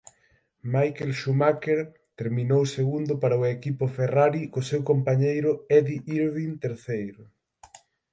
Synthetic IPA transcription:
majkelʃumakeɾ | t̪eɾmĩnowseɣund̪ʊpaɾaʊekipʊferaɾikʊsewkompaɲejɾʊɛðiʔiɾβint̪eɾθejɾʊ

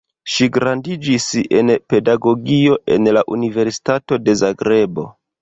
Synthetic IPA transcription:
ʃiɡɾandid͡ʒise̞̰npe̞daɡo̞ɡio̞ʔe̞̰nlaʔunive̞ɾsi̥tato̞de̞zaɡɾe̞bo̞

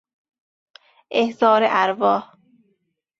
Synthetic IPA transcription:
ʔehzɒːɾeʔæɾvɒːh

